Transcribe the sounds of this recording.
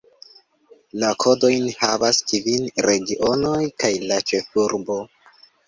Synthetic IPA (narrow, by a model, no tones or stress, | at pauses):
lakʰo̞do̞jnhavaskivinɾe̞ɡiʔo̞no̞jkajlat͡ʃe̞fuɾbo̞